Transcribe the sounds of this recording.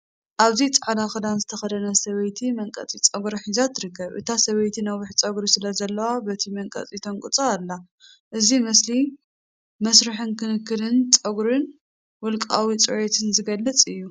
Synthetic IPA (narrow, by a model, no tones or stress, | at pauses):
ʔaβzit͡sʼʕalaxɨlanzɨt̪ʰɐxɐd̪ɐnɐsɐβɐjt̪ʰimɐŋkʼɐ̰t͡sʼit͡sʼɐɡɾɐħizat̪ʰɨɾɨkːɐβʔɨ̰t̪ʰasɐβɐjt̪ʰinɐwʊħt͡sʼɐɡɾisɨlɐzɐlːɐwabɐt̪ʰimɐŋkʼɐ̰t͡sʼit̪ʰɐŋkʼɨt͡sʼɐalːa | ʔɨzimɐsli | mɐsɾɨħɨnkʰɨnɨkːɨlɨnt͡sʼɐɡɾɨn | wɔlkʼawit͡sʼɨʕet̪ʰɨnzɨɡɐlːɨt͡sʼɨjːu